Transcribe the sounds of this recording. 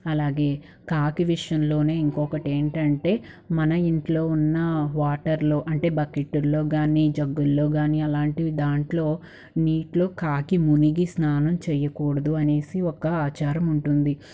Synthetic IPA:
ɐlaːɡe̞ː | kaːkiʋiʂjɐnlo̞ːne̞ːiŋkɔːkɐʈeːɳʈɐɳʈe̞ː | mɐnɐiɳʈlo̞ːunːɐʋaːʈɐɾlo̞ːʔɐɳʈe̞ːbɐkeʈːulːo̞ːɡaːnid͡ʒɐɡːulːo̞ːɡaːniɐlaːɳʈid̪aːɳʈlo̞ː | niːʈlo̞ːkaːkimuniɡisnaːnɐmt͡ʃɛjɐkɔːɽɐd̪uɐne̞ːsiɔkːɐaːt͡ʃaːɾɐmuɳʈund̪i

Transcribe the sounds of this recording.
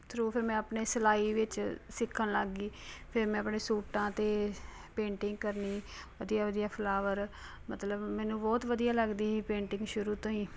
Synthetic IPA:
t̪ʰɾoːpʰɪɾmɛ̃ːəpneːsəlaːiːʋɪt͡ʃsɪkʰːənləɡiːpʰɪɾmɛ̃ːəpɳeːsuːʈãːt̪eː | pẽːɳʈɪ̃ŋɡkəɾniː | ʋəd̪ijaːʋəd̪ijaːpʰəlaːʋəɾ | mət̪ləbmɛ̃ːnũːbɔːt̪ʋəd̪ijaːləɡd̪iːɦiːpẽːɳʈɪ̃ŋɡʃʊɾuːt̪õːĩː

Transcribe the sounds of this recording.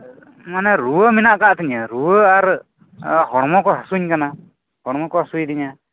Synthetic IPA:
manɛɾuəminaʔkaʔt̪iɲaɾuəaɾ | hɔɽ̃mɔkɔɦasuɲkana | hɔɽ̃mɔkɔɦasujd̪iɲa

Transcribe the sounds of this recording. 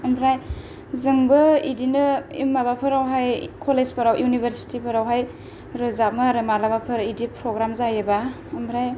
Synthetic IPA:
ɐmbɾaj | zɯŋbɯidinɯḭmːabapʰɯɾawɦajkʰolespʰɐɾawjunibʱeɾsi̥tipʰɯɾawɦaj | ɾɯzamɯɾɯmalabapʰɯɾidipɾoɡɾamzajeba | ɐmbɾaj

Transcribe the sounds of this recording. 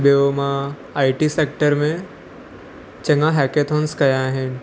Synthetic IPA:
bijomã | aːiʈisekʈəɾmẽ | t͡ɕɐ̃ŋɡãɦɛket̪ʰõnskɐjaɦɪn̆

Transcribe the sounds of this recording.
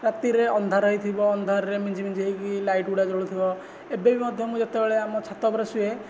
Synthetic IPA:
ɾat̪iɾeɔnd̪ʱaɾɔɦit̪ʰibɔːnd̪ʱaɾɾemid͡ʒʱimind͡ʒʱiɦikilajʈuɽad͡ʒɔɽut̪ʰibɔ | ebebimɔd̪ʱjɔmũd͡ʒat̪ebeɭeamɔt͡ʃʰat̪ɔbɔɾɔsue

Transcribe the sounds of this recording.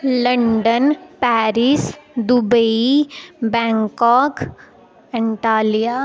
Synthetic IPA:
ləɳɖənpæɾisd̪ubəibɛ̃ŋkɔk | iɳʈalija

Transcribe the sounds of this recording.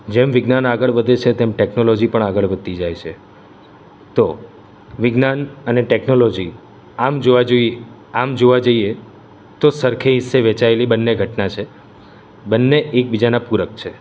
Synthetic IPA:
d͡ʒemʋɪɡnanaɡəɭʋəd̪ʱet͡ʃʰet̪emʈeknolod͡ʒipəɳaɡəɭʋəd̪̚t̪id͡ʒajt͡ʃʰe | t̪o | ʋɪɡnanəneʈeknolod͡ʒi | amd͡ʒoʋad͡ʒoi | amd͡ʒoʋad͡ʒəie | t̪osəɾkʰeɦisːeʋɛt͡ʃaelibənːeɡʱəʈnat͡ʃʰe | bənːeʔek̚bid͡ʒanapuɾək̚t͡ʃʰe

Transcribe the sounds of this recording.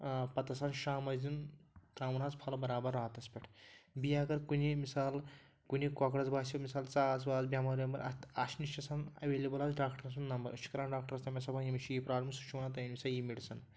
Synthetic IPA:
pɐt̪ɐsaːnʃaːmɐzzint̪ɾaːʋnaːt͡spʰɐlbɐɾaːbɐɾːaːt̪ɐspʲɐʈʰbijaːɡɐɾkunimisaːl | kunikɔkɽɐzbaːsimisaːlt͡saːs̬baːzbʲjaːmɐɾʲinɐmbɐɾɐ̰asniʃt͡ʃɐsanɐ̰ʋeːlebɐlazɖaːkʈɐɾɐs̬unːɐmbɐɾɐʃʰi̥kɐɾaːɳɖaːk̚ʈɐɾɐst̪ɐmʲesɐbajimit͡ʃʰijipɾaːblʲemsut͡ʃʰumɐnat̪̬ɐjinʲmisaːljimiɽsɐn

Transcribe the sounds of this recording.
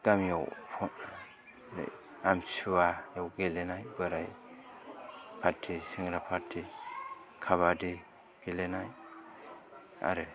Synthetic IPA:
ɡ̥amjawpʰɔn̰ | amsuajawɡelenajbɯɾaj | pʰaɾtʰisiŋɾapʰaɾtʰi | kʰaβadi | ɡ̥elenaj | a̰ɾɯ

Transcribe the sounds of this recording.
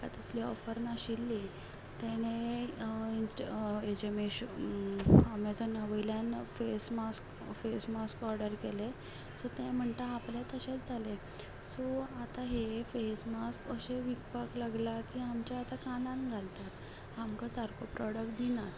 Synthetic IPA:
ka̰t̪əsliɔfəɾnaɕilːi | t̪eñe | insʈed͡ʑemeɕ | amad͡zənəʋəjljanfesmask | fesmaskɔɾɖəɾkele | sɔt̪ẽm̤əɳt̪aaplat̪əɕet͡sd͡zʱale | sɔat̪aɦefesmaskəɕeʋikpaklaɡlakiːamt͡ɕjaat̪akãnãnɡʱalt̪at̪ | amkasaɾkopɾɔɽək̚ʈ̚d̪inat̪

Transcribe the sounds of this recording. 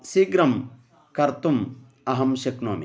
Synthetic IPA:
siɡɾɐm | kɐɾt̪um | ɐɦɐmʃɐknoːmi

